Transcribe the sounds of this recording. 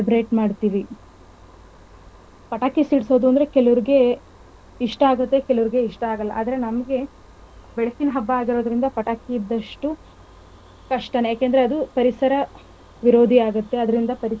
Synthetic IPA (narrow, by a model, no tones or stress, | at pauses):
eibɾeːʈmaːɖt̪iːʋi | pɐʈaːkisiɽsoːd̪uɐnd̪ɐɾe̞kɛlɐʋɐɾiɡe̞ | iʂʈɐaːɡut̪ːe̞kɛlɐʋɐɾiɡe̞iʂʈɐaːɡɐlːɐʔa̰ːd̪ɐɾe̞nɐmɐɡe̞ | bɛɭɐkːinɐɦɐbːɐaːɡiɾo̞ːd̪ɾind̪ɐpɐʈaːkiːd̪ːɐʂʈu | kɐʂʈɐnejaːkeːnd̪ɾeɐd̪upɐɾisɐɾɐ | ʋiɾo̞ːd̪ʱiaːɡut̪ːe̞ɐd̪ɐɾind̪ɐpɐɾi